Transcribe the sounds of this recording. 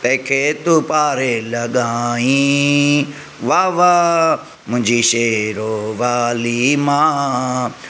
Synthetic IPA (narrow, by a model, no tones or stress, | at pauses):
p̪ɛ̃ːkʰeːt̪upaːɾeːləɡaːĩː | ʋaːʋaː | mʊ̃d͡ʒiːʃeːɾoːʋaːlimaː